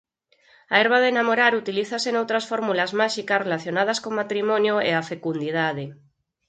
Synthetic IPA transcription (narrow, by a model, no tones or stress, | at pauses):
aeɾβaðenamoɾaɾut̪iliθasenowt̪ɾasfoɾmulazmaʃikasrelaθjonað̞askomat̪ɾimɔ̃njoḛafekund̪iðað̞e